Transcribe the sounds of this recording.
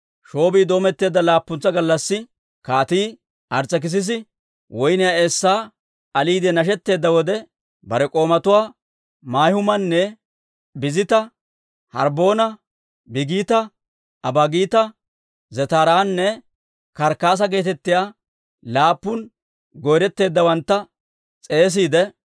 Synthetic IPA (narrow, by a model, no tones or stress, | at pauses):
ʃo̞ːbiːd̪o̞ːmɛt̪ːe̞ːd̪ːɐlaːpːʊnt͡sːɐɡɐlːɐsːɪ | kaːt̪iː | ʔɐɾt͡sːɐk̬ɪs̬ɪs̬ɪ | wɔjnɪjaesːaː | ɐliːd̪ɛnɐʃ̬ɛt̪ːe̞ːd̪ːɐwɔd̪ɛ | bɐɾɛkʼo̞ːmɐt̪ʊwaː | maːjhʊmɐnːɛ | bɪzɪt̪ɐ | hɐɾbo̞ːnɐ | bɪɡiːt̪ɐ | ʔɐbaɡiːt̪ɐ | zɛt̪aːɾaːnːɛ | kɐɾkaːs̬ɐɡe̞ːt̪ɛt̪ːɪjaː | laːpːʊn | ɡɔjɾɛt̪ːe̞ːd̪ːɐwɐnt̪ːɐ | t͡sʼe̞ːs̬iːd̪ɛ